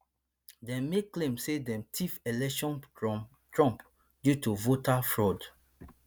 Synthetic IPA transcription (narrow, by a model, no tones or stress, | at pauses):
dɛ̃mːeklẽmsedɛ̃mtʰifelɛkʃɔ̃nɹɔ̃m | tɹɔ̃mp | djutuvotafɹɔd